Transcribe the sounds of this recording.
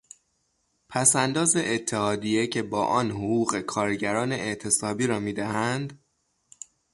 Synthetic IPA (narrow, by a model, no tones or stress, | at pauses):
pʰæsænd̪ɒːze̞ʔet̪ʰːe̞hɒːd̪ije̞cʰe̞bɒːʔɒːnhoɣuːɣe̞kʰɒːɾɟæɾɒːne̞ʔeʔt̪ʰe̞sɒːbiːɾɒːmiːd̪æhænd̪